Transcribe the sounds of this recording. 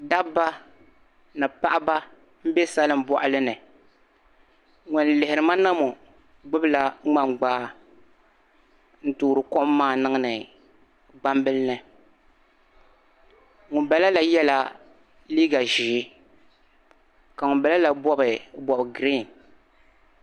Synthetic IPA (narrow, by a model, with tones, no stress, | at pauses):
da˦bbːa˦ | nɨ˨pa˦ʔa˦ba˦ | m̩˦be˦sa˦lɨ˨m̩˨bɔ˨ʔa˦lɨ˦nɨ˨ | ŋʊ˨nlɪ˨hɪ˨ɾɨ˨ma˦na˦mo˨ | ɡ͡bʊ˦bla˦ŋ͡ma˨ŋ͡mɡ͡baː˦ | n̩˦˨tuː˨ɾɨ˨kɔ˦ʔmː˦aː˦nɨ˦ŋɨ˦nɨ˨ | ɡ͡ba˦mbɨ˦lnɨ˨ | ŋʊ˨bɛ˨la˦la˦jɛ˦la˦ | liː˦ɡa˨ʒi˨˦ | ka˨ŋʊ˨bɛ˨la˦la˨bɔ˦bɨ˨bɔ˨bɡɾi˦˨n